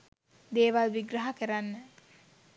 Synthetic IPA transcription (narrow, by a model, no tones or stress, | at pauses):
d̪eːʋalʋiɡɾəɦakəɾanːə